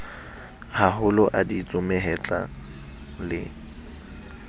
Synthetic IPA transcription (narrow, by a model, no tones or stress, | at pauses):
haɦʊlɔʔadit͡sʼʊmɛɦɛt͡ɬʼa̰ | lɪ